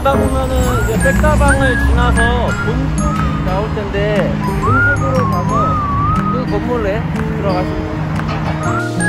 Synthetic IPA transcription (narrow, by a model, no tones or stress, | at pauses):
kɯdapʰumjʌnɯnid͡ʑe̞pek̚t͈abaŋɯɭt͡ɕinasʰʌ | munsʰoɡinaoɭtʰende̞ | ɯmunsʰoɡɯɾosʰaɡo | kɯkʌmːuɾeɯnɯɾʌɡasʰio